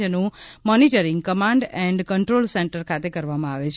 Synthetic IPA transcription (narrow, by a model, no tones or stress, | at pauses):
ənũmɔniʈəɾɪ̃ŋɡkəmãɳɖɛ̃ɳɖkəɳʈɾolsẽɳʈəɾkʰat̪ekəɾʋamãaʋet͡ʃʰ